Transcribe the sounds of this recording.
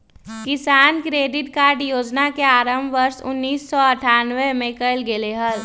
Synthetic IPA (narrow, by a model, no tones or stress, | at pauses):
kɪsaːnkɾeːɖɪʈkaːɾɖjoːd͡ʒnakeaːɾəmbʱʋəɾsʊ̰nːiːsːɔəʈʰaːnʋemẽkəɪlɡeleɦəl